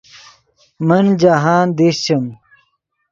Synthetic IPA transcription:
mɐnd͡ʑaɦaːnd̪eɕt͡ɕɐm

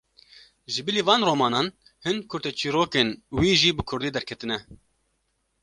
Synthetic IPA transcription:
ʒɨbɨliːvɑːnroːmɑːnɑːn | hɨnkʰʊɾt̪ɛt͡ʃʰiːɾoːkeːnwiːʒiːbɨkʰʊɾd̪iːd̪ɛɾkʰɛt̪ɨnɛ

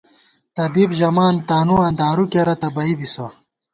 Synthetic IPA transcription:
t̪ɐbibʑɐmaːnt̪aːnuãːnd̪aːɾukeɾɐt̪ɐbɐibiso

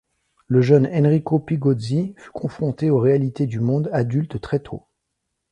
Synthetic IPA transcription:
ləʒənɛnʁikopiɡɔzify̥kʰɔ̃fχɔ̃t̪eoʁealit̪ed̪ymɔ̃d̪ad̪ylt̪t̪χɛt̪ʰo̰

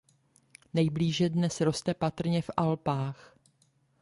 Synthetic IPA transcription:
nɛjbliːʒɛdnɛsɾo̞st̪ɛpat̪r̩ɲɛfʔalpaːx

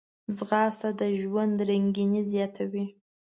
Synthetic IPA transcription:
d͡zɣɑsad̪əʒwand̪ɾaŋɡinizjɑt̪ʰawi

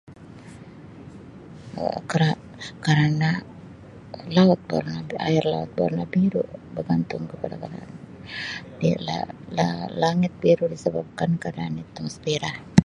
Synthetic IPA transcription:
kaɾa | kaɾana | laɔt̪̚ba̰ɾnaba̰ɪrla̰ɔ̰t̪̚ba̰rnabiɾṵbərɡant̪ʊŋkəpadakada̰an | dila̰lalaŋɪt̪̚biɾudisəbap̚kankadaːnit̪uŋspiɾah

